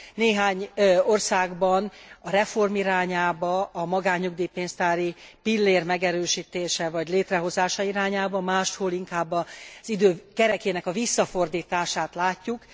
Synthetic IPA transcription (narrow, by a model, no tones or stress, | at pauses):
neːɦaːɲo̞rsaːɡbɒnɒɾɛfo̞rmiɾaːɲaːbɒɒmɒɡaːɲːuɡd̪ipeːnst̪aːɾipilːeːrmɛɡɛɾøːʃiːt̪eːʃɛvɒɟleːt̪rɛɦo̞zaːʃɒiɾaːɲaːbɒmaːʃt̪hoːliŋkaːbːɒz̥id̪øːkɛɾɛkeːnɛkɒvisːɒfo̞rd̪iːt̪aːʃaːt̪laːcːuk